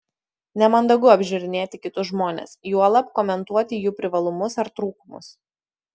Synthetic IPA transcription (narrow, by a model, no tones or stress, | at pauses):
nʲɛmɐnd̪ɐɡʊɐbʲʒʲʊɾʲɪnʲeːt̪ʲɪkʲɪt̪ʊsʒmoːnʲḛːsjuɔlˠɐpkɔːmʲɛnt̪uɔt̪ʲɪjuːpʲɾʲɪʋɐlˠʊmʊsɐɾt̪ɾuːkʊmʊ̰s